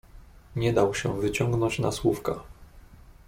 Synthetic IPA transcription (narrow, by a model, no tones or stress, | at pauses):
ɲɛd̪awɕɛvɘt͡ɕɔŋɡnɔ̃ɲt͡ɕna̰swufka